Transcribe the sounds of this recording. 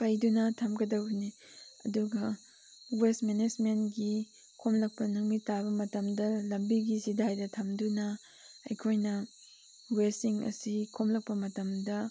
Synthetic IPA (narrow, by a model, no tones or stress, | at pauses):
pɐjdunɐtʰɐmɡɐdɐwni | ɐ̰duɡɐ | wesmened͡ʒmentɡi | kʰomlɐk̚pɐnuŋmitaβɐmɐtɐmdɐlɐmbiɡizidajdɐtʰɐmdunɐ | ɐ̰jkʰojnɐ | wesiŋɐ̰sikʰomlɐk̚pɐmɐtɐmdɐ